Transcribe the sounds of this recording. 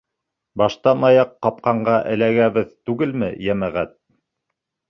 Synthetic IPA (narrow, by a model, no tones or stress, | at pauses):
bɑʃt̪ɑnɑjɑqːɑp̚qɑɴɢɑʔɘ̆læɡæβɘðt̪ʉɡɘlmɘ̰jæmæʁæt̪̚